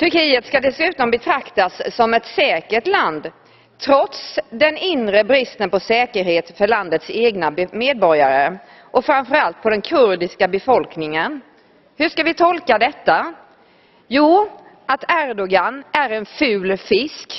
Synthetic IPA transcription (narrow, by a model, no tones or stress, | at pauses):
t̪ʰɵɾkiːət̪skad̪ɛsʉ̟ːt̪ɔmbɛt̪ʰɾakt̪asːɔmɛt̪sɛːkəʈland̪ | t̪ʰɾɔt̪sd̪ɛnɪnɾəbɾɪst̪ənpɔsɛːkəɾheːt̪fœɭand̪ət̪seːɡnameːd̪̚bɔɾjaɾə | ʔɔfɾamfœɾalt̪̚pʰɔd̪ɛnkʰɵɾɖɪskabɛfɔlknɪŋən | hɵʂkavɪt̪ʰɔlkad̪ɛt̪ːa | juː | ʔat̪ʰæɾd̪ɔɡanʔæɾɛnfʉ̟ːlfɪsk